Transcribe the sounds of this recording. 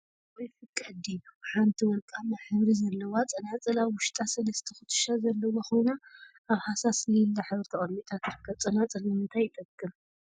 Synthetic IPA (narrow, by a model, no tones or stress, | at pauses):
wɔjfɨkʼːɐd̪ijuħant̪ʰiwɔlkʼamaħɨβɾizɐlːɐwat͡sʼɐnat͡sʼɨlaβwʊʃt̪ʼasɐlɐst̪ʰɐxɨt̪ʰɨ̥ʃazɐlːɐwaxojnaː | βhasasnɐjɪlːaħɨβɾɨt̪ʰɐχʼɐlmit̪ʼʰat̪ɨɾɨkʰːɐβt͡sʼɐnat͡sʼɨlnɨmɨnt̪ʰajɪt̪ʼɐkʼːɨm